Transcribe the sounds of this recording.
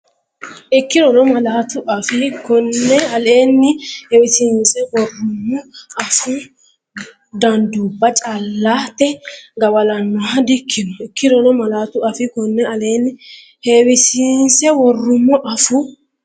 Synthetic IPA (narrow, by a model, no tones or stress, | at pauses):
ʔɪkːɪɾɔlɔmɐlɐt̪ʊʔɐfɪkɔnːɛɐleːnːɪhewɪsinsɛwɔrːʊmːɔɐfʊ | d̪ɐnd̪uːbːɐt͡ʃʼɐlːaːt̪ːɛɡɐwɐlɐnːɔɐd̪ɪkʰːɪnɔɪkːɪɾɔlɔmɐlɐt̪ʊɐfɪkɔnːɛɐle̞ːnːɪ | hewɪsinsɛwɔrːʊmːɔʔɐfʊ